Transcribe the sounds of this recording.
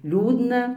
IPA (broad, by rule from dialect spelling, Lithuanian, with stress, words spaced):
ˈlʲuːdnɐ